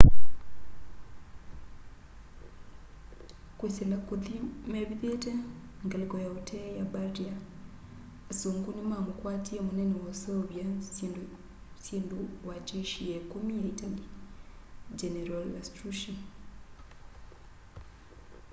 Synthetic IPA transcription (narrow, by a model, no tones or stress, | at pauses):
kweselakuðimeβiðete | ŋɡelikojautʰejabaɾiaː | suːŋɡuɲumamukwaːtiemunenewosoβjasiːndu | siːnduwat͡ʃeʃijekumijaitali | d͡ʒeneɾalastɾuʃon